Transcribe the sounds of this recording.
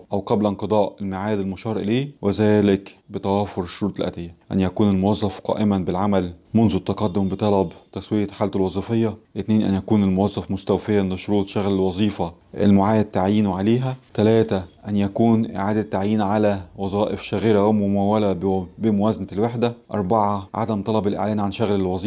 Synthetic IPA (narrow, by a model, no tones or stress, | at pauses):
ʔæwqɑblnqɨd̪ˤɑːʔelmaʕaːd̪ɪlmʊʃɑːɾˤʔleːwezæːlɪkbɪt̪æwæːfoɾɪʃːoɾuːt̪ˤɪlʔæ̰t̪ejːæʔæ̰njækuːnɪlmowɑzˤːɑfqɑ̰ːʔɪmæbɪlʕamælmʊnzut̪ːɑqɑd̪ːombet̪ˤɑlɑbt̪æswejæħaːlt̪elwɑzˤifejːɑʔɪt̪neːnʔæ̰njækuːnɪlmowɑzˤːɑfmʊst̪æwfejænleʃoɾuːt̪ˤʃæɣllwɑzˤiːfɑʔḛlmoʕaːjæt̪ːaʕjiːnʕaleːɦæt̪ælæːt̪æʔænjækuːnʔɪ̰ʕaːd̪æt̪ːaʕjiːnʕalæwɑzˤɑːʔɪfʃæɣiɾæwemʊmæwːælæbɪmowæːznælweħd̪æʔɑ̰ɾˤbaʕɑʕa̰d̪æmt̪ˤɑlɑbɪlʔḛʕlæːnʕanʃæɣlelwɑzˤiː